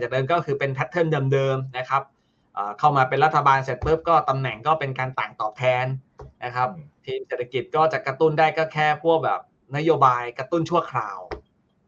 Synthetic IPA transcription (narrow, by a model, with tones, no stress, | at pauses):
t͡ɕaː˨˩dɤː˧mkɔː˥˩kʰɯː˧pe˧npʰɛ˦˥t̪ʰːɤ˥˩ndɤː˧mdɤː˧mna˦˥kʰa˦˥p̚ | ʔɤː˨˩kʰa˥˩wmaː˧pe˧nɾa˦˥t̪ʰːa˧baː˧nse˨˩t̪̚pɯ˦˥p̚kɔː˥˩t̪a˧mnɛ˨˩ŋkɔː˥˩pe˧nkaː˧nt̪aː˨˩ŋt̪ɔː˨˩p̚t̪ʰɛː˧nna˦˥kʰa˦˥p̚t̪ʰiː˧mseː˨˩t̪ʰːa˧ki˨˩t̪̚kɔː˥˩t͡ɕaː˨˩kːɾa˧t̪u˥˩ndaː˥˩jkɔː˥˩kʰɛː˥˩pʰu˥˩ək̚bɛ̰ː˨˩p̚ | na˦˥joː˧baː˧jkɾa˧t̪u˥˩nt͡ɕʰu˥˩əkʰɾa̰ː˨˧˩w